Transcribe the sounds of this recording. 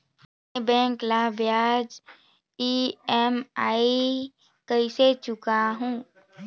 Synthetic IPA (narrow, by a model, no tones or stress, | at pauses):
bɛ̃ːŋklabjaːd͡ʒ | iɛmaːi | kəiset͡ʃʊkaɦũː